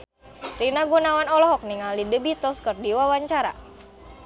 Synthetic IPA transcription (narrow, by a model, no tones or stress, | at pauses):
rinaɡunawanɔlɔɦɔk̚niŋalidəbit̪ɔskərdiwawaɲt͡ʃaɾa̰